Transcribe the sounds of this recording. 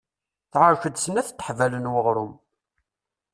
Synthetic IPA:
θʕəɾçəd̪sənæθt̪ːəħvælənwəʁɾʊm

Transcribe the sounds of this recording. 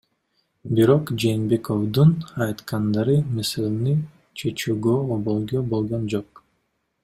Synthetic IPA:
biɾo̞qd͡ʒeːnbe̞ko̞wd̪unɑjt̪qɑnd̪ɑɾɯmeselʲni | t͡ʃʰet͡ʃyːɡøobolˠɡøbo̞lˠʁond͡ʒoq

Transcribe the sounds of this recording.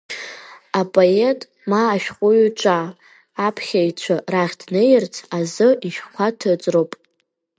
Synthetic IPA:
apʼoetʼ | maːʃᶣqʷʼʊɥt͡ʃʷʼaː | pʰχʲait͡ɕʷʰaraχʲdnejɪrt͡sʰazɨiʃχʷʰatʰɨt͡sʼropʼ

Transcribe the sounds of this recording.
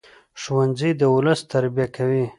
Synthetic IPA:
ʂwanzid̪əʊləst̪aɾbijakʰawi

